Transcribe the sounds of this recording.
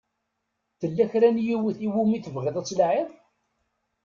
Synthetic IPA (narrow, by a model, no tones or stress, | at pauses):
θəlːæçɾænjiwəθiwumiθəvʁiðˤæt͡sːlʕɪðˤ